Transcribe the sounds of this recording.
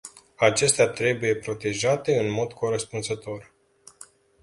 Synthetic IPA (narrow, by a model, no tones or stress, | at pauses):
at͡ʃe̞st̪eat̪ɾe̞buje̞pɾo̞t̪e̞ʒat̪e̞ɨnmo̞d̪kʰo̞ɾəspunzət̪o̞r